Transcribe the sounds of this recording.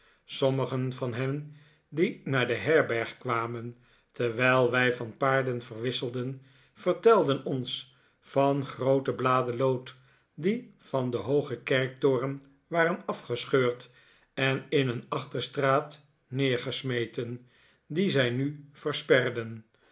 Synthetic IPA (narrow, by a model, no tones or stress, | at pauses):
sɔməχənvɑnɦɛn | dinaːɹdəɦɛɹbɛɹχkʋaːmən | təɹʋɛjlˠʋɛjvɑnpaːɹdənvərʋɪsəlˠdən | v̥əɹtɛlˠdənɔns | fɑnχrowtəblaːdəlowt | di | v̥ɑndəɦowχəkɛɹk̚tʊːrən | ʋaːrənɑfχəsχøːɹt | ɛnɪnənɑχtəɹstraːt | nɪːɹχəsmejtən | dizɛjnyv̥əɹspɛrdən